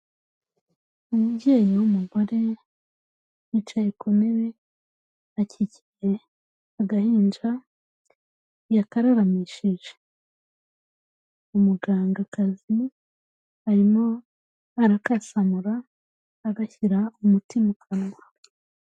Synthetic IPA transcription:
umubɟeːnowumuɡo̞ɾe̞ | jit͡ʃajekʰo̞mewe | acicije | aɡahiːnd͡ʒa | jakaɾaɾamiʃiʒe | umuɡaːŋɡakazimu | haɾimo | aɾakasamuɾaː | ɡaçiɾaumutimukʰanŋa

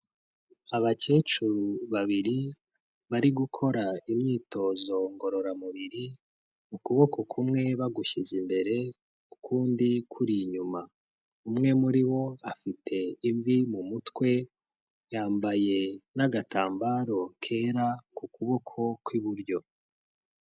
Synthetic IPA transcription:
aβat͡ʃe̞ːt͡ʃuɾuβaβiɾi | βaɾiɡukʰo̞ɾaimɲiːto̞ːzo̞ŋɡo̞ɾo̞ɾamuβiɾi | mukuβo̞ko̞kʰumŋe̞βaɡuʃizimbe̞ɾe̞ | ukʰuːndikʰuɾiɲuma | umŋe̞muɾiβo̞afitʰe̞iɱvimumutwe̞ | jaːmbaje̞naɡatʰaːmbaːɾo̞kʰe̞ːɾakukuβo̞kʰo̞kwiβuɾɟo̞

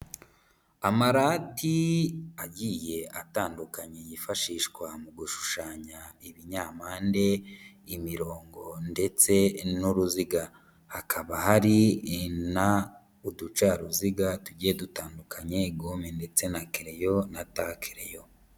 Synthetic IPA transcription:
amaɾaːtiaɟiːje̞ʔataːndukaɲejifaʃiːʃɡwamuɡuʃu̥ʃaːɲaiβiɲaːmaːnde̞ | imiɾo̞ːŋɡo̞nde̞t͡se̞nuɾuziɡa | hakʰaβahaɾina | udut͡ʃaɾuziɡatuɟijedutaːndukʰaɲeɡomende̞t͡se̞nakeɾejo̞natakʰe̥ɾḛjo̞

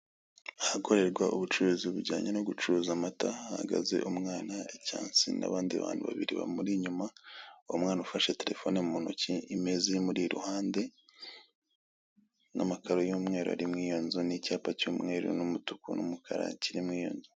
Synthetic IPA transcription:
ahako̞ɾe̞ɾɡwaʔoβut͡ʃuɾuzioβuɾɟa̰ːɲano̞ɡut͡ʃuzamataaha̰ɡa̰ze̞̰ʔumŋaːnaecaːnsḭna̰βaːndia̰βa̰ːnhuβa̰βiɾiβa̰muɾiɲumaomŋaːnaufaʃe̞te̞ɾe̞fo̞nemumonociʔimezimuɾiɾṵhaːnde̞ | namakaɾo̞jomŋe̞ːɾoa̰ɾimwiːjonzunicaːpacomŋe̞ːɾṵnomutu̥kuno̰mukʰaɾa̰ciɾimwiːjo̰nzo

